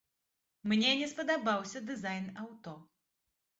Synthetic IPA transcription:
mnʲɛnʲɛspɐd̪abawsʲɐd̪ɨzajnawt̪ɔ

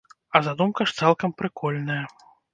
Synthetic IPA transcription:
ɐzad̪umkɐʂt̪salˠkɐmpɾɨkɔlʲnɐjɐ

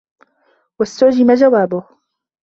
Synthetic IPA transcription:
wast̪ʊʕd͡ʒɪmad͡ʒawaːbʊh

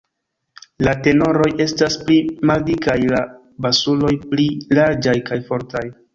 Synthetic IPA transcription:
late̞no̞ɾo̞je̞stasplimaldikajla | basulo̞jplilaɾd͡ʒajkajfo̞ɾtaj

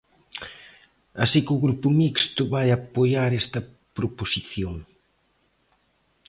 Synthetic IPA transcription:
asikɪʊɣɾupʊmikst̪ʊβajapojaɾest̪ɐ | pɾoposiθjoŋ

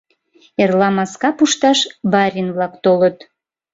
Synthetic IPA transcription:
erlɑmɑskɑpuʃt̪ɑʃbɑɾʲinβlɑkt̪olət̪

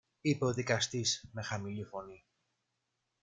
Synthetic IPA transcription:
ipe̞o̞ðikɐst̪isme̞xɐmilifo̞ni

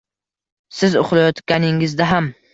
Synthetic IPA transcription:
sɪzo̰χlˠajɒt̪kʲanɪŋɪzd̪aɦam

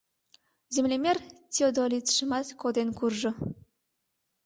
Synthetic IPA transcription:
zemlʲemʲertʲiod̪olʲit̪ʃəmɑt̪kod̪enkurʒɤ̆

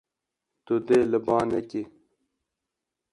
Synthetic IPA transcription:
t̪ud̪eləbaːnḛki

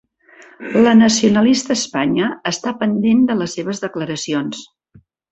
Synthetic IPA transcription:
lənəsiunəlist̪əːspaɲəːst̪apənd̪end̪ələsːeβ̞əzðəkləɾəsions

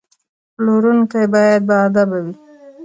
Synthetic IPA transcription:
ploɾunkajbɑjad̪̚baad̪abawi

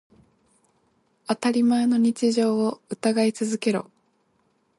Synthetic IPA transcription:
at̪aɾʲimae̞no̞ɲ̟it͡ɕiʑo̞ːoɯ̟t̪aɡait͡sɨzɨke̞ɾo̞̰

